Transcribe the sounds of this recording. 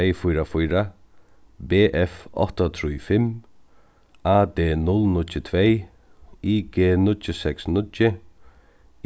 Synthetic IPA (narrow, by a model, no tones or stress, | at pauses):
ɛjfʊjɾafʊjɾa | beːʔɛfɔ̰ht̪at̪ʰɾujfɪm | aːd̪eːnʊlnʊtːɪt̪ʰveːj | iːɡeːnʊtːɪsɛksnʊtɪ